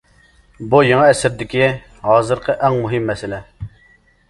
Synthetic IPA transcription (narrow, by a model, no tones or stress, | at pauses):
bujeŋɑɛsɪɾd̪ɪkʲi | ɦɑːzɨɾqʰəʔæŋmuɦɪmːɛsɪlɛ